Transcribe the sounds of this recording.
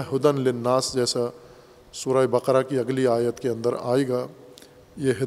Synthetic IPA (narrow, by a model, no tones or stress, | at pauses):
ɦʊd̪ənlɪnaːsd͡ʒɛːsa | sʊɾaːjbɐqɾakiɐɡliaːjət̪keɐ̃nd̪əɾaːeɡaː | jeɦɪ